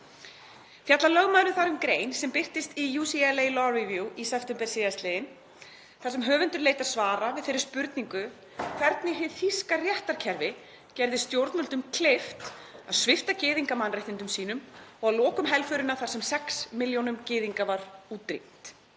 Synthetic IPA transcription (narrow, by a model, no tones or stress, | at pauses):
θjat̪lalœɣmaðɾʏθaɾʏmkɾeːjnsɛmpɪr̥t̪ɪst̪ijuːsiɛlejlɔivjuʔisɛpft̪ɛmpɛɾ̥sɪːðast̪lɪðɪn | θasɛmɦœːvʏnt̪ʏɾleːjt̪aðsvaːɾavɪðθɪːɾɪɾ̥spʏɾt̪niŋkʏ | kʰvɛɾt̪nɪɦɪðθiskarjɛht̪aɾ̥cʰɛɾvɪ | cɛɾðɪst̪jowɾt̪nœlt̪ʏmkʰleft̪aðsvɪft̪acɪːðiŋkamanreht̪ɪnt̪ʏmsiːn̪ʏmɔɣaðlɔːkʏmɦɛlfʏɾʏnaθaɾ̥sɛmsɛksmɪljownʏmcɪːðiŋkavaɾuːt̪ɾḭn̥t̪